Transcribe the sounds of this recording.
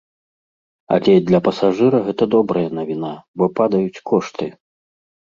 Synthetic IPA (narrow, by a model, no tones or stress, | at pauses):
ɐ̰lʲɛd̪lʲɐpɐsaʐɨɾɐɣɛt̪ɐd̪ɔbɾɐjɐnɐvʲinabɔpad̪ɐjut͡sʲkʰɔʂt̪ɨ